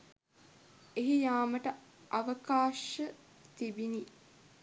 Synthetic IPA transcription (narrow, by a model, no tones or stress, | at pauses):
eɦijaːməʈəʔaʋəkaːʃə | t̪ibini